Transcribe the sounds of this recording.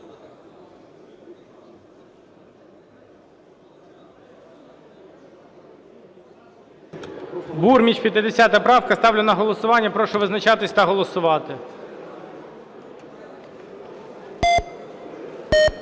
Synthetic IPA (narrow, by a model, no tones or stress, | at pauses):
burmʲit͡ʃpʲjɐt̪ɪd̪esʲat̪ɐpɾɑwkɐst̪ɑwlʲʊnɐɦɔlˠɔsʊʋɑnʲːɐpɾɔʃɔʋɪznɐt͡ʃɑt̪ɪsʲt̪ɐɦɔlˠɔsʊʋɑt̪ɪ